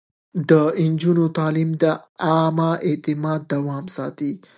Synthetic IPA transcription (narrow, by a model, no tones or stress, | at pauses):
d̪əɪnd͡ʒunot̪ɑlimd̪əɑmaet̪ɪmɑd̪ːawɑmsɑt̪i